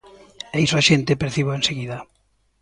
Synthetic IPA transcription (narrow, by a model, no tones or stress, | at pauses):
ɛisoaʃent̪epeɾθiβoẽnseɣiða